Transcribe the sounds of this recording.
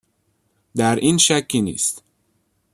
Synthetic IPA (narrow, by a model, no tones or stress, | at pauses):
d̪æɾʔiːnʃækʰːinḭːst̪